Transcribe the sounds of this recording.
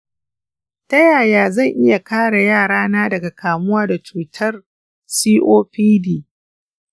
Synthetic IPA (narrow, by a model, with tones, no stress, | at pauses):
tɐ˦jaː˨jaː˦zɐ˦˨ŋʔɪ˦ja˨kaː˦ɽa˨jaː˦˨ɽaː˦naː˦dɐ˨ɡa˨kʰaː˨mʊ˦waː˦da˨t͡ʃuː˨tʰɐ˦r | siː˦ʔoː˦ɸiː˦diː˦